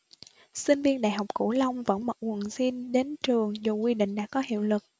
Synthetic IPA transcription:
sï˧ŋ̟vi˧ənɗa̰ː˧˨jɦɔ˨˩wk͡p̚kṵ˧˩lə˧wŋ͡mvə̰˧˥nmə̰˧˨˩wŋwə˨˩nsi˧nɗe˨˦nt͡ɕɨ˨˩əŋzu˨˩kwi˧ɗḭ˧˨ŋ̟ɗa̰ː˧˥kɔ˨˦hḭ˧˨əwlɨ˨˩k̚

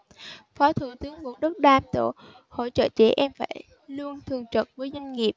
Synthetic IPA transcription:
fɔ˨˦t̪ʰɨ˧˩t̪ɨ˨˦əŋmu˨˩t̚ɗə˦˥t̚ɗaː˨˧mt̪o̰˧˨ | ho̰˧˩t͡ɕə̰ː˧˨t͡ɕɛ̰˧˩ʔɛ˧mfaː˧˩j | lu˧ənt̪ʰɨ˨˧˩əŋt͡ɕə˨˩t̚vəː˨˦jza˧jŋ̟ŋi˨˩əp̚

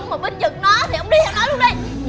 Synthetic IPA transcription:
wŋ͡mmə˨˩ɓə˧nzɨ˨˩k̚nɔ˨˦t̪ʰi˨˩ʔə˧wŋ͡mɗi˧˦˥t̪ʰɛː˧nɔ˨˦jlu˧əŋʔɗə˧j

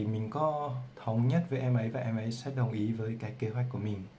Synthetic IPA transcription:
mï˨˩ŋ̟kɔ˨˦t̪ʰə˨˦wŋ͡mɲə˦˥t̚vəː˨˦jʔɛ˧mʔə˨˦jvaː˨˩ʔɛ˧mʔə˨˦jsɛ̰˨˧˦ɗə˨˩wŋ͡mʔi˨˦vəː˨˦jkaː˦˥kːe˧˦ɦwɛ˧˦˥k̚ku˧˩əmï˨˩ŋ

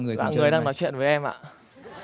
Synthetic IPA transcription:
ŋɨ˨˩əjɓaː˧˨ɨ˨˩əjɗaː˧ŋnɔ˨˦jt͡ɕwḭ˧˨ənvəː˨˦jʔɛ˧mʔa̰ː˧˨

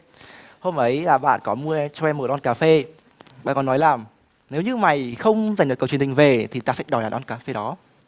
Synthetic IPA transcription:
ho˧mʔə˨˦jlaː˨˩ɓa̰ː˧˨nkɔ˨˦mɨ˧ə˧t͡ɕɔ˧ʔɛ˧mːo˨˩ʔɔ˧nkaː˨˦fe˧ | ɓa̰ː˧˨nkɔ˨˩nːɔ˨˦jlaː˨˩m | ne˨˦wɲɨ˧ma˨˩jxə˧wŋ͡mza˨˩ŋ̟ɗkːə˨˩t͡ɕə˨hï˨˩ŋ̟ve˨˩t̪ʰi˨˩t̪aː˧sɛ̰˧˥ɗɔ̰˨˩jɗaː˨˩nʔɔ˧nkaː˨˦fe˧ɗɔ˨˦

